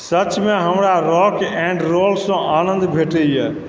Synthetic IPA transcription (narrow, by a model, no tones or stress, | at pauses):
sət͡ʃmeɦəmɾaɾɔkɛ̃ɳɖɾolsə̃ʔanə̃nd̪bʱeʈɛjɛ